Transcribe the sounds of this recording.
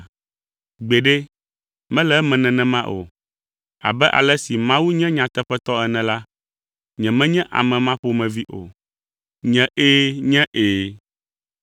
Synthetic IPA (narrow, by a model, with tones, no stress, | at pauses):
ɡ͡be˨ɖe˦ | mɛ̃˦lɛ˦mɛ̃˨nɛ̃˨nɛ̃˨mã˦ʔo̰˨ | a̰˨bɛ˦ʔa̰˨lɛ˦si˨mã˦wu˦ɲɛ̃˦ɲã˨t̪ɛ˦ɸɛ˦t̪ɔ˦ɛ˨nɛ̃˨la˦ | ɲɛ̃˨mɛ̃˦ɲɛ̃˦ʔa̰˨mɛ̃˨mã˦ɸo˦mɛ̃˨vi˦ʔo̰˨ | ɲɛ̃˨ʔeː˦ɲɛ̃˦ʔeː˨